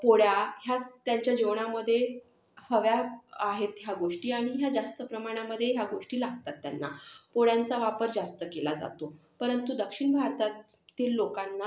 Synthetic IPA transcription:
poɽjaɦjat̪jaɲt͡ɕjad͡ʑeʋɳ̃aməd̪ʱːje | həʋjaaɦet̪ɦjaɡoʂʈiːaɽ̃iɦjad͡zast̪əpɾəmaɽ̃jaməd̪ʱːjeɦjaɡoʂʈiːlaɡt̪at̪ːja̰nːa̰poɽjant͡saʋapəɾd͡zast̪əkelad͡za̰t̪opəɾənt̪ud̪əkʂiɳbʱaɾt̪at̪iːlːokanːa

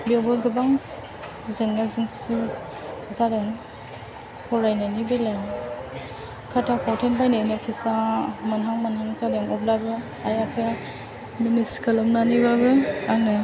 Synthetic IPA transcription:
biewbɯɡɯbaŋ | zɯŋnazɯŋsi | zaɾɯŋ | hʰɔɾajnanibelaŋ | kʰatʰapʰɔwtʰenbajnanɔpʰisamanɦaŋmanhaŋzadɯŋɔblabɯ | ajapʰaja | miniskʰɯlɔmnaniβabɯanɯ

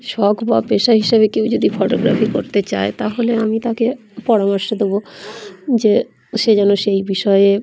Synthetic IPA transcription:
ʃɔkʰbapeʃaɦiʃabekewd͡ʑod̪ifoʈoɡɾa̰fikoɾt̪et͡ɕaet̪aɦoleamit̪ake | pɔɾamɔɾʃod̪ebo | d͡ʑe | ʃed͡ʑɛnoʃejbiʃɔee

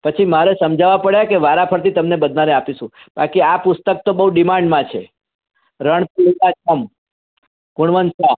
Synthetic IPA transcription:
pət͡ʃʰimaɾesəmd͡ʒaʋapəɽjakeʋaɾapʰəɾt̪it̪əmnebəd̪ʱnaɾeapiʃũ | ba̰kiapʊst̪ək̚t̪obəɦuɖimãɳɖmãt͡ʃʰe | ɾəɳpulit̪aəm | kʊɳʋənsa

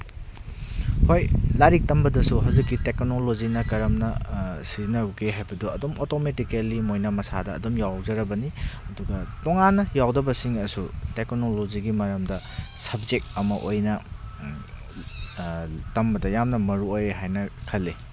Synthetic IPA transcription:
hojlaɾik̚tɐmbɐdɐsuɦawzikːiteknolozinɐkɐɾɐmnɐsizinɐukeɦajbɐduɐdomotometikelimojnamɐsadɐːdomjawd͡ʒɐɾɐbɐniɐduɡɐtoŋanːɐjawdɐbɐsiŋɐsuteknoloziɡimɐɾɐmdɐ | sɐb̚zek̚ɐmɐʔojnɐ | tɐmbɐdɐjamnɐmɐɾuojeɦajnɐkʰɐlːe

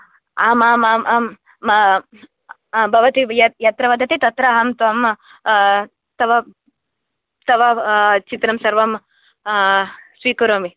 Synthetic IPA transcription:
aːmaːmam | bʱɐʋɐt̪ijɐjɐt̪ɾɐʋɐd̪ʱɐt̪it̪ɐt̪ɾɐɦɐmt̪ʋɐm | t̪ɐʋɐ | t̪ɐʋɐt͡ʃit̪ɾɐmsɐɾʋɐm | sʋiːkɐɾoːmi

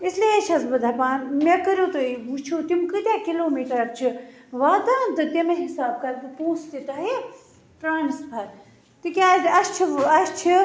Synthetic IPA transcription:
islet͡ʃʰɐzbɨd̪ʱapaːnmekəɾjoːt̪ɨiʋut͡ʃʰot̪imkɨt̪ʲaːkiloːmiːʈɐɾɐɾt͡ʃʰiʋaːd̪aːnt̪ɨt̪emɐɦisaːb̚kɐɾt̪ɨpuːst̪it̪ɐɦi | ʈɾaːnispʰɐɾ | t̪ikʲaːzɐst͡ʃʰiɐst͡ʃʰi

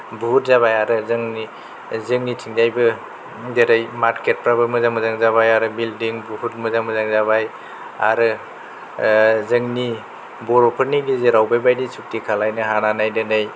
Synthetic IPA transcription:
buɦut̚zaβajaɾɯzɯŋni | zɯŋnitʰiŋzajbɯ | deɾajmaɾket̚pɾabɯmɯzamɯzaŋzaβajaɾɯbildiŋbuɦut̚mɯzamɯzaŋzaβaj | aɾɯ | zɯŋni | bɔɾɔpʰɯɾnidizeɾawbajbajdisuk̚tikʰalajnɯɦananajdɯnɯj

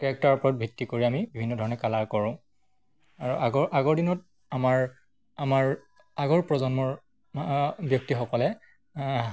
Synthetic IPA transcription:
kɛk̚taɹpɔɹɔt̚bʱitːikoɹiamibibʱinːɔdʱɔɹɔnɛkalaɹkɔɹʊ̃ | aɹuʔaɡɔʔaɡɔɹdinɔt | amaɹ | amaɹ | aɡɔɹpɹɔzɔnmɔɹ | bjɔk̚tixɔkɔlɛ

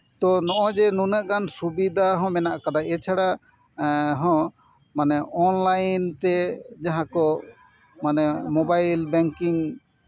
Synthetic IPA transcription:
t̪ɔnɔʔɔd͡ʒɛnunəʔkansubid̪aɦɔ̃mɛnaʔkad̪aʔɛt͡ʃʰaɽa | ɦɔ̃ | manɛʔɔnlajnt̪ɛd͡ʒaɦãkɔ | manɛmɔbajlbɛŋkiŋ

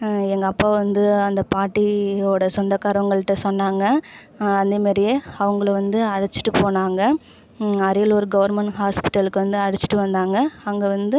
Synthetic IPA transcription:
ɛŋɡɐːpːaːʋɐnd̪ɯɐnd̪ɐpaːʈːioːɽɐsɔnd̪ɐkaːɾʋɐŋɡɐɭɯʈːɐsɔnːaːŋɡɐ | ɐnd̪emaːɾɪjeɐʋɐŋɡɐɭʋɐnd̪ɯɐɽɐt͡ʃːɯ̥ʈːɯpoːnaːŋɡɐ | ɐɾɐjɐlɔɾɯɡɐʋɐɾmɛɳʈɦaːspɪ̥ʈːɐlɯkːɯʋɐnd̪ɯɐɽɯt͡ʃːɪ̥ʈːɯʋɐnd̪aːŋɡɐɐŋɡɐʋɐnd̪ɯ

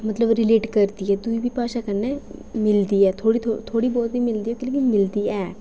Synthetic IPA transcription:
mət̪ləbɾɪleːʈkəɾd̪iɛːd̪uiːbʱiːpaːʃakənːemɪld̪iːɛːt̪ʰoːɽit̪ʰot̪ʰoːɽiːbɔːt̪biːmɪld̪iːɛkɪlɪɡimɪld̪iːɛː

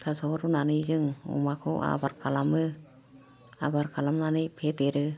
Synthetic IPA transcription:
t̪ʰasɔɾunanɯzɯŋɔ̰makʰɔ̰a̰baɾkʰalamɯ | a̰baɾkʰalamnanɯjpʰet̪eɾɯ

